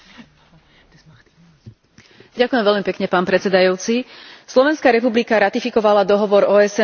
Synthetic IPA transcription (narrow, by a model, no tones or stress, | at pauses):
ɟakujɛmʋɛʎmipɛkɲɛpaːnpɾɛt͡sɛd̪ajuːt͡sislɔʋɛnskaɾɛpublikaɾat̪ifikɔʋalad̪ɔɦɔʋɔɾɔːɛsɛ